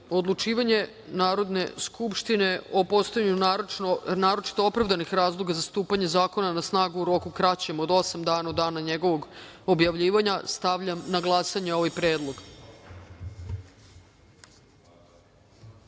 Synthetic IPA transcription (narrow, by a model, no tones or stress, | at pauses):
od̪lˠut͡ʃiːʋaɲe̞ | naːɾo̞d̪ne̞̰skupʃt̪ine̞opo̞st̪ajaɲu | naːɾo̞t͡ʃi̥t̪oopɾavd̪anixɾaːzlˠo̞ɡazast̪uːpaɲe̞zaːko̞nanasnaːɡuuɾo̞kukɾat͡ɕe̞mod̪o̞samd̪aːnaod̪aːnaɲeɡo̞ʋo̞ɡo̞bjaʋʎiːʋaɲast̪aʋʎamnaɡlˠasaɲeo̞ʋajpɾeːd̪lˠo̞ɡ